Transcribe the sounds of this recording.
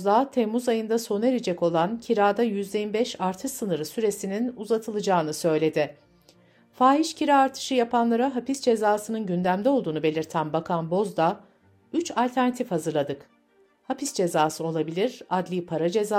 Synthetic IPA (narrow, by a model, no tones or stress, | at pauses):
zd̪aːt̪ʰemːuzajɯnd̪aso̞ne̞ɾed͡ʒɛko̞lˠancʰiɾaːd̪ajyzlʲeimbɛʃaɾt̪ʰɯʃsɯnɯɾɯsyɾe̞sininuzat̪ʰɯlˠɯd͡ʒaːnɯsø̞jlʲe̞d̪ɪ | faːɦiʃcʰiɾaːɾt̪ʰɯ̥ʃɯjapʰanlˠaɾaɦapisd͡ʒe̞zaːsɯnɯnɟynd̪æmd̪ɛo̞lˠd̪uːnube̞lʲiɾt̪ʰænbakʰanbo̞zd̪a | yt͡ʃalʲt̪ʰæɾnat̪ʰifhazɯɾlˠad̪ɯk | hapisd͡ʒe̞zaːsɯo̞lˠabilʲiɾad̪lʲipʰaɾad͡ʒe̞za